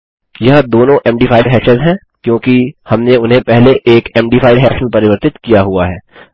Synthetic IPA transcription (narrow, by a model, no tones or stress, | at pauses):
jɐɦãd̪oːnõʔɛ̃ːmɖiːfʰaːɪɖɦɛːʃəzɦɛ̃ː | kjõːkihɐmneʊnɦẽpɛɦleʔeːkɛːmɖiːfʰaːɪɖɦɛːʃənpɐɾɪʋəɾt̪ɪt̪kijaɦuaɦɛː